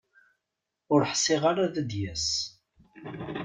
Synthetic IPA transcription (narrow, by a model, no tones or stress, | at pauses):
ʊɾħsɪʁaɾaðæd̪jæs